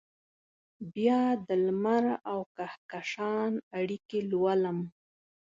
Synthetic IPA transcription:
bjɑd̪əlmaɾawkahkaʂɑnaɽikelwaləm

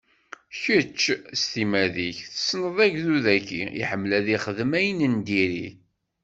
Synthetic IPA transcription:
çət͡ʃːst̪imæðiçθə̥snəðˤæʝðuðækːḭḭħəmːlæðiχəðəmæjnənd̪iɾi

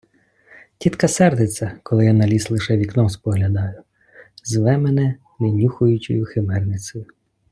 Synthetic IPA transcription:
tʲit̪kɐsɛrd̪ɪt͡sʲːɐkɔlˠɪjanɐlʲislˠɪʃɛʋʲiknɔspɔɦlʲɐd̪ɑjʊ | zʋɛmenɛ | ʋʲinʲuxʊjʊt͡ʃʊ̰jʊxɪmɛrnɪt͡sʲɔjʊ

